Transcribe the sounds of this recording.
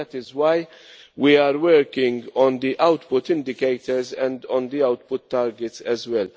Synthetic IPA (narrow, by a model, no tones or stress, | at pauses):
ɛt̪ɪzwaj | wiaːɾwɛɾkɪ̃ŋɡɔ̃nd̪iʔɐwt̪pʊt̪ɪ̃nd̪ɪkejt̪əɾzɛ̃nd̪ɔ̃nd̪iɐwt̪pʊt̪ːaːɾɡɛt̪sɛzwɛl